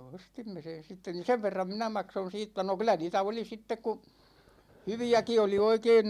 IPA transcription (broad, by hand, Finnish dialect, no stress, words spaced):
ostimːe sen̞ sitːen ni seʋ ʋerːɑm minæ mɑkson̞ siːtːæ no kylˑæ niːtæ oli sitːek ku hyʋiæki oli oikein